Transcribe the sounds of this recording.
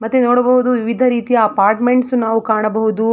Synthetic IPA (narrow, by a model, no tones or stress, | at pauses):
mɐt̪ːenoːɽɐbɐɦud̪uʋiʋid̪ʱɐɾiːt̪ijɐːpaːɾʈmeɳʈsunaːʋukaːɳɐbɐɦud̪u